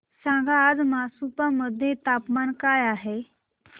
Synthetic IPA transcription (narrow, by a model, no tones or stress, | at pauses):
sãŋɡʱaːd͡zmasupaməd̪ʱːjet̪apmankajaɦe